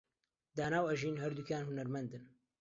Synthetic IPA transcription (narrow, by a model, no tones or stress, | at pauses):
d̪aːnaːwɐʒiːnɦɐɾd̪ukaːnhunɐɾmɐnd̪ɨn